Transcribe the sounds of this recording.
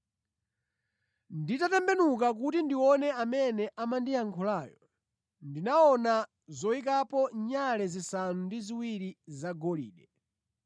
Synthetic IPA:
nditatɛmbɛnuk̬ak̬utindiwɔnɛamɛnɛʔamandijaŋkʰɔlaːjɔ | ndinaɔna | zɔik̬apɔɲalɛzisanundiziwiɾizaɡɔlḭːɗɛ

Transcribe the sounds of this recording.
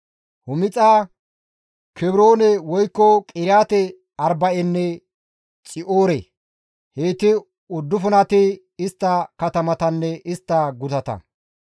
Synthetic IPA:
hʊmɪt͡sʼaː | kʰɛbɾo̞ːnɛwɔjkːɔkʼɪɾjaːt̪ɛ | ɐɾbɐʔɛnːɛ | t͡sʼɪʔoːɾḛ | heːt̪ɪ | ʊd̪ːʊfʊnɐt̪ɪ | ɪst̪ːɐkɐt̪ɐmɐt̪ɐnːɛʔɪst̪ːɐɡʊt̪ɐt̪ɐ̰

